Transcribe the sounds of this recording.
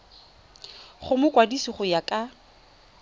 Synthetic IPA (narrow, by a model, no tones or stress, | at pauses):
χʊmʊkʼwadisiχʊjakʼa